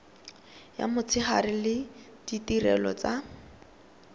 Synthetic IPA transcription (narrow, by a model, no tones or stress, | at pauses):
ja̰mʊt͡sʰɪχarɪlɪ | d̥itirɛlɔ̰t͡sa